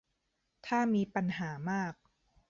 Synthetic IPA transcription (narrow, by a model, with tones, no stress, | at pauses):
t̪ʰaː˥˩miː˧pa˧nɦaː˩˦maː˥˩k̚